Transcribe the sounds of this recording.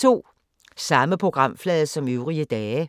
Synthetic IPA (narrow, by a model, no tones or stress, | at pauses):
t͡sʰo̝̰ː | sɑ̈məpʰʁo̝ɡ̥ʁɑ̈m̰flɛːðˠsɒ̽møʊʁiəd̥ɛː